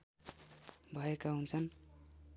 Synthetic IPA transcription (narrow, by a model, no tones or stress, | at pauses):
bʱʌekaɦunt͡sʰʌn